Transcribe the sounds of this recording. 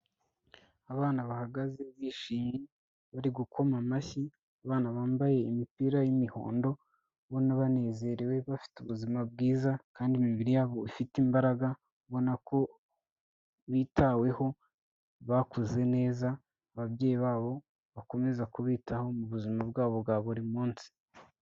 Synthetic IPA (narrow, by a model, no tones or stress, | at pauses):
aβaːnaβahaɡaze̞βiʃiːmi | βaɾiɡukʰo̞mamaçi | aβaːnaβaːmbaje̞imipiɾajimiho̞̰ːndo̞ | βo̞naβane̞ːze̞ɾewe̞βafi̥tuβuzimab̚ɡiːzakaːndimiβiɾijaːβo̞ifitimbaɾaɡa | βo̞nakʰo̞ | βiːtawe̞ho̞ | βakuze̞ne̞ːza | βaβɟe̞ːjiβaːβo̞ | βako̞me̞zakuβiːtʰaho̞muβuzimabɡaːβo̞bɡaːβoɾimuːnsi̥